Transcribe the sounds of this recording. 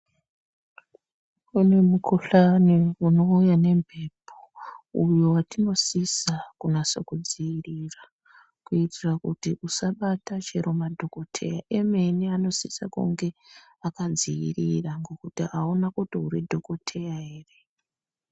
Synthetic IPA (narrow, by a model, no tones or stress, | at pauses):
une̞mukʰuɬaniuno̞ujane̞mbʱepʰo̥ujo̞watino̞sisakunasokud͡ziirira | kuitirakutiʔusaɓatat͡ʃeɾomadʱo̞ko̞tʰe̞̰jaʔeme̞niano̞sisa̰kṵŋɡe̞ | akad͡ziḭriraŋɡo̞kutiaonakutiɦuɾidʱo̞ko̞tʰe̞jaɦe̞ːre̞